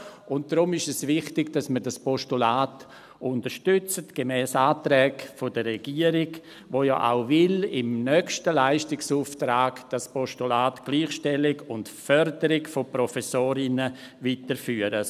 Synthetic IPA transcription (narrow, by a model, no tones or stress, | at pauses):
ʊnt̚d̥ɾʊmɪʃɛsvɪχtɪɡd̥asməɾdaspɔʃtulaːt | ʊntəɾʃtʏt͡sətɡ̥emɛːsaːtɾɛːɡfodəːɛɡiːəɾɪɡ | ʋoːjɔ̰ːʔa̰ʊvɪlɪmnœkʃtəlaɪʃtɪksuːftɾaːɡd̥aspʰɔʃtulaːtɡ̥liːχʃtɛlɪɡʊntfœɾdəɾɪɡfopɾɔfɛsoːɾɪnə | viːtəɾfyːəɾə